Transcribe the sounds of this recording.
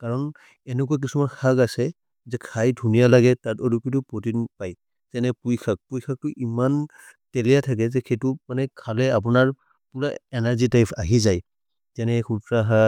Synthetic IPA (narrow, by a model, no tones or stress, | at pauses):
kaɹɔn | ɛnɛk̬ɔak̬isumankʰakasɛ | zɛkʰajdʱunijalaɡɛtatolukitʊpɹotinpaj | zɛnɛpujkʰak̚pujkʰak̚tʊʔiman | tɛlɛjatʰak̬ɛzɛxʰetʊmanɛkʰalɛap̬unaɹ | pulaɛnaɹzitajpʰaɦizaj | zɛnɛkutɹaɦa